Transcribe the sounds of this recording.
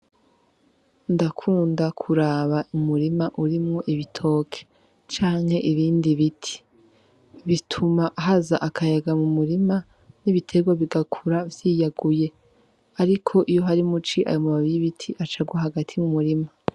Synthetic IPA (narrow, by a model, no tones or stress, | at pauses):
ndakʰuːndakʰuɾaβaʔumuɾimaʔuɾimŋo̞ʔiβitʰo̞ːkʰe̥ | t͡ʃaːŋ̥he̞ʔiɾiːndiβitʰi̥ | βitʰumaʔɦazaʔakʰajaɡamumuɾima | niβitʰe̞ɡwaβiɡakʰuɾavjiːjaɡuje̞ | aɾikʰo̞ʔijo̞ɦaɾimut͡ʃiʔa̰jomumaβiɾiβitʰiʔat͡ʃaɡwaɦaɡatʰimumuɾima